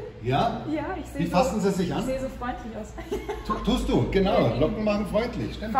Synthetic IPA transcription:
jaːjaːɪçzevifasn̩ziːzɪçʔaneːzofʁ̥ɔʏntʰlɪçaʊsʰutʰuːst̚d̥uːɡ̥ənaʊlɔkŋ̩maχŋ̩fʁ̥ɔʏntʰlɪ̰çʃtɪmt

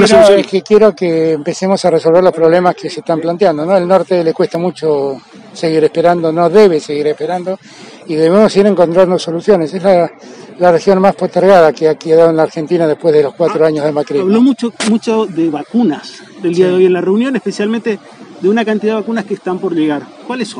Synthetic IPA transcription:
enoekekje̞ɾokeːmpesemo̞sareso̞lβeɾlo̞spɾoβlemaskeseht̪amplant̪jand̪onoelno̞ɾt̪elekwe̞st̪amut͡ʃo | seɣiɾespeɾand̪o̞no̞ðeβ̞ese̞ɣiɾehpeɾand̪o̞ | iðeβeemoseɣiɾe̞ŋko̞nt̪ɾand̪oso̞lusjo̞nesezla | larexjo̞nmaspost̪eɾɣaðakeakeðaðoenlaɾxent̪inaðespwe̞zðelo̞skwat̪ɾoaɲozðemakɾiaβlomut͡ʃomut͡ʃoðeβakunas | ðeliaðeojenlareunjonespesjalmẽnt̪e | ðeunakant̪iðaðeakunaskeːst̪ampoɾʎeɣaɾ | kwaleso

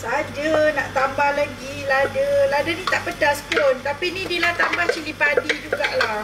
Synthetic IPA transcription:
sd͡ʒanaʔt̪ambahlaɡiladəladənĩt̪aʔpədaspont̪apinĩdilat̪ambaht͡ʃilipadid͡ʒuɡaʔla

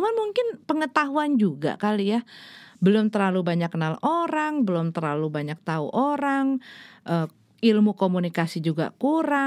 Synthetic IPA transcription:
manmuŋkɪnpəŋət̪aɦuand͡ʒuɡa̰kalijabəlʊmt̪ərlalubaɲaknaloɾaŋbəlʊmt̪ərlalubaɲak̚t̪aṵʔoɾaŋʔə | ilmukomunikasid͡ʒuɡa̰kuɾa

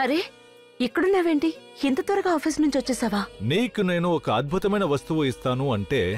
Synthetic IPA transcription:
ɐɾe | ikːuɽunaːʋeːɳʈihint̪ɐt̪ʋɐɾɐɡaɔːpʰiːsnuɲt͡ʃʋɐt͡ʃːeːsaːʋaːniːkune̞ːnuɔkɐɐd̪̚bʱut̪ɐmɐjnɐʋɐst̪uʋɐist̪aːnuɐɳʈe̞̰ː

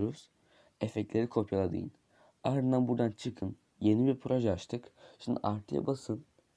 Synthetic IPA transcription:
ɾuz̥ | efɛclʲe̞ɾikʰo̞pʰjalˠad̪ɯ̰jɯ̰n | aɾɯnd̪anbuɾd̪ant͡ʃʰɯkʰɯn | je̞nibiɾpʰɾo̞ʒɛat͡ʃt̪ʰɯkʃind̪ḭʔaɾt̪ʰɯja̰basɯn

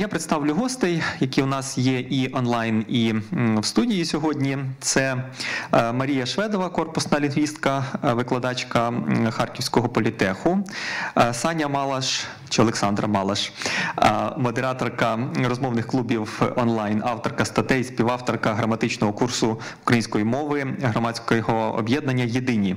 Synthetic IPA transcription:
japɾet̪st̪ɑwlʲʊɦɔst̪ɛjjɐkʲiʊnɑsjɛʔiʔɔnlˠɑjniwst̪udʲijisʲɔɦɔdʲnʲit̪sɛ | mɐɾʲijɐʃʋɛd̪ɔʋɐkɔrpʊsnɐlʲɪnʋʲist̪kɐʋɪklˠɐd̪ɑt͡ʃkɐxɑrkʲiwsʲkɔɦɔpɔlʲit̪ɛxʊ | sɑnʲɐmɑlˠɐʃ | t͡ʃɪɔlˠeksɑnd̪ɾɐmɑlˠɐʃ | mɔd̪eɾɑt̪ɔrkɐrɔzmɔwnɪxklˠubʲiwɔnlˠɑjnɑwt̪ɔrkɐst̪ɐt̪ɛisʲpʲiʋɑwt̪ɔrkɐɦɾɐmɐt̪ɪt͡ʃnɔɦɔkursʊ | ʊkɾɐjinʲsʲkɔjimɔʋɪɦɾɔmɑt͡sʲkɔjɦɔɔ̰bʲjɛd̪̚nɐnʲːɐjed̪ɪnʲi

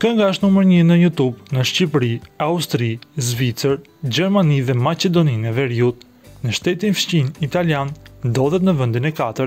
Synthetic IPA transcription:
kəŋɡaʃnuməɾɲənəjut̪ubnəʃcipɾiaust̪ɾizvit͡səɾ | d͡ʑɛɾmaniðɛmat͡ɕɛd̪ɔninɛvɛɾiut̪̚ | nəʃt̪ɛt̪infʃt͡ɕinit̪aljand̪ɔðɛt̪nəvənd̪inɛkat̪əɾ

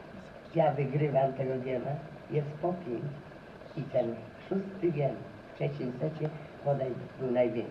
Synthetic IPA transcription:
javɨɡɾɪvamt̪ɛɡɔɡ̪ʲɛma | jɛst̪pɔpʲjɛŋk | it̪ɛn | ʂust̪ɪɡʲɛn | ftɛt͡ɕint̪sɛt͡ɕɛpɔd̪ajbbɘwnajvʲjɛŋk

